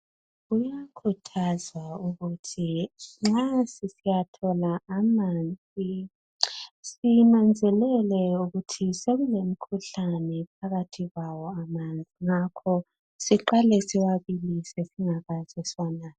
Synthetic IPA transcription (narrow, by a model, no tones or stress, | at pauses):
ɣujakʰutʰazwauɣutʰiŋ͡ǁasisijatʰɔlaːmand͡zʱi | sinand͡zʱɛlɛlɛuɣutʰiseɣulemikʰuɬanɛp̚ʰaɣatʰiɣwawɔamand͡zʱiŋakʰɔ | siǃalɛsiwaβilisesiŋaɣaz̥ɛswanaː